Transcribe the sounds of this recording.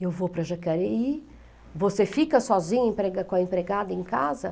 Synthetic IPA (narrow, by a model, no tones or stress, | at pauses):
ewvopɾɐʒakɛɾei | vosefikɐsɔzĩɲɐẽpɾeɡɐkõɐẽmpɾeɡad̪ɐẽkazɐ